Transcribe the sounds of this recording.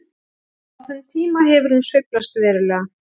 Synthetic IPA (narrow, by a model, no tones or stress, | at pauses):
aθʏmt̪ʰiːmaɦɛvʏɾ̥hunsvɪklast̪vɛːɾʏlɛːɣa